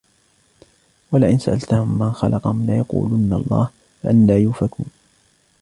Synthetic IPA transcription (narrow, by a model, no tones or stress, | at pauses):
walaʔɪnsaʔalt̪ahʊmːanxɑlʔɑqɑhʊmlajɑqṵːlʊnːalˤːɑ̰ːh | faʔanlaːjuːfakuːn